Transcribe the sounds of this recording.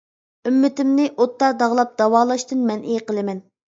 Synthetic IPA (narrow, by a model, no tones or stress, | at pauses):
ymːɪt̪ɪmnɪʔot̪ːɑd̪ɑʁlˠɑp̚d̪̥ɑwɑːlˠɑʃt̪ɨnmɛnʔejqəlˠɨmɛn